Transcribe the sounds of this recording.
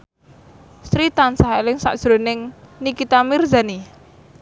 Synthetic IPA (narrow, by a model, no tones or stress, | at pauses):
st̪ɾit̪ansaɦelɪŋsa̰ʔd̥ʒ̥ɾo̤nɪŋnikit̪amird͡ʒani